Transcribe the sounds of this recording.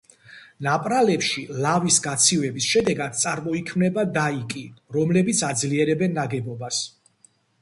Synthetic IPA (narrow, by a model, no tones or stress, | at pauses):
napʼɾalɛpʃilavisɡat̪sʰivɛbisʃɛd̪ɛɡad̪̥̚t̪sʼaɾmɔikʰmnɛbad̪aikʼiɾɔmlɛbit̪sʰad̪zliɛɾɛbɛnːaɡɛbɔbas